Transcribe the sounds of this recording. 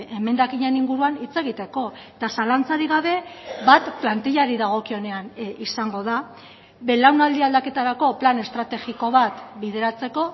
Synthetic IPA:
e̞me̞nd̪akiɲe̞niŋɡuɾuanit͡se̞ɣ̞it̪e̞ko̞et̪asalant͡saɾiɣ̞aβ̞e̞βat̪plant̪iʎaɾiðaɣ̞o̞kio̞ne̞anisaŋɡo̞ð̞a | βe̞lawnald̪iald̪ake̞t̪aɾako̞plane̞st̪ɾat̪e̞ɣiko̞β̞at̪biðe̞ɾat͡se̞ko̞

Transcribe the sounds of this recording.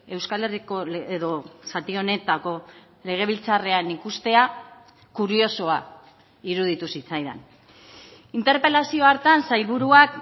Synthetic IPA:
e̞wskale̞riko̞eðo̞sat̪io̞ne̞t̪ako̞ | le̞ɣ̞e̞β̞ilt͡sare̞anikust̪e̞a | kuɾio̞so̞a | iɾuð̞it̪usit͡sajða̰n | int̪e̞ɾpe̞lasio̞aɾt̪ansajlβuɾuak

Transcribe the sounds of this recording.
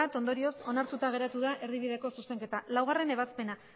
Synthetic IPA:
at̪o̞nd̪o̞ɾio̞so̞naɾt̪ut̪aɣ̞e̞ɾat̪uðaʔe̞ɾðiβ̞iðe̞ko̞suse̞ŋke̞t̪alawɣ̞are̞ne̞β̞aspe̞na

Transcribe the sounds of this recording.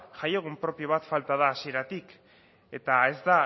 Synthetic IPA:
ʝajeɣ̞umpɾo̞pio̞βat̪falt̪aðaːsie̞ɾat̪ik | e̞t̪ae̞zd̪a

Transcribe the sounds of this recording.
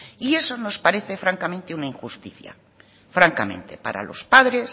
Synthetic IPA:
ie̞so̞no̞spaɾeθe̞fɾaŋkamẽnt̪eunaiŋxust̪iθja̰ | fɾaŋkamẽ̞̰nt̪e̞paɾa̰lo̞̰spaðɾe̞s

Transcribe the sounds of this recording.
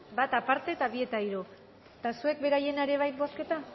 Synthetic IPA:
bat̪apaɾt̪e̞t̪aβie̞t̪aiɾo | t̪asue̞k̚be̞ɾaje̞neɾe̞β̞ajt̪̚bo̞ske̞t̪a

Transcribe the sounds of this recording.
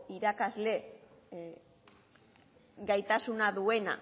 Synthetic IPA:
iɾakazle̞ | ɡajt̪asunaðue̞na̰

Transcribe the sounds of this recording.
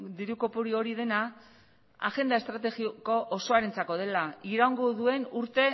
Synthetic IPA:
d̪iɾuko̞puɾio̞ɾið̞e̞na | a̰ɣe̞nd̪ae̞st̪ɾat̪e̞ɣiko̞ʔːso̞aɾent͡sako̞ð̞e̞laiɾawŋɡoðue̞nuɾt̪e̞

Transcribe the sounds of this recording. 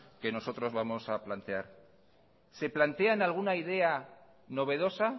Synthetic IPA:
ke̞no̞so̞t̪ɾo̞zβamo̞saplant̪e̞aɾ | se̞plant̪e̞analɣ̞unaiðe̞a | no̞β̞e̞ðo̞sa

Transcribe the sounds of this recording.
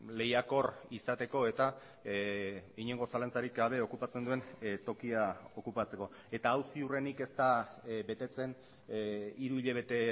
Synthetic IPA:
le̞jako̞risat̪e̞ko̞e̞t̪a | iɲe̞ŋɡo̞salant͡saɾikaβ̞e̞o̞kupat͡send̪ue̞nt̪o̞kiao̞kupat͡se̞ko̞ | e̞t̪aːwsiure̞nike̞st̪abe̞t̪e̞t͡se̞n | iɾuiʎe̞β̞e̞t̪e̞

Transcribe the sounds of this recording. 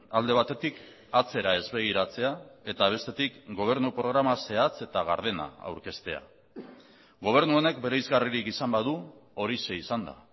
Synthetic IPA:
ald̪e̞βat̪e̞t̪ik | at͡se̞ɾae̞zβe̞ɣ̞iɾat͡se̞ae̞t̪aβ̞e̞st̪e̞t̪ikɡo̞β̞e̞ɾnupɾo̞ɣ̞ɾamase̞at͡se̞t̪aɣ̞aɾð̞e̞na̰a̰wɾke̞st̪e̞a̰ | ɡo̞β̞e̞ɾnuo̞ne̞kbe̞ɾe̞izɣariɾikisambaðuo̞ɾise̞isand̪a̰

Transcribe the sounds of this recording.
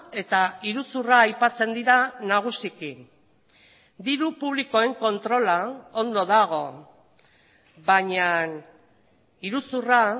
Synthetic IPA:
e̞t̪aiɾusuraːjpat͡se̞nd̪iɾanaɣ̞usiki | d̪iɾupuβ̞liko̞e̞ŋko̞nt̪ɾo̞lao̞nd̪o̞ðaɣ̞o̞ | baɲan | iɾusura

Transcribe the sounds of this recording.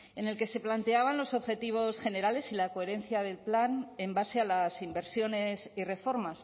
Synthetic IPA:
e̞ne̞lke̞se̞plant̪e̞aβ̞anlo̞so̞βxe̞t̪iβ̞o̞sxe̞ne̞ɾale̞silako̞e̞ɾe̞nθjaðe̞lplane̞mbase̞alasimbe̞ɾsjo̞ne̞sire̞fo̞ɾmas

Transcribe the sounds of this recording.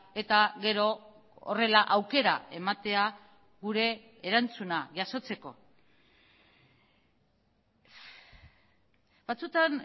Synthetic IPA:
e̞t̪aɣe̞ɾo̞̰ː | re̞laʔawke̞ɾae̞mat̪e̞a | ɣuɾe̞ː | ɾant͡sunaʝaso̞t͡se̞ko̞ | bat͡sut̪an

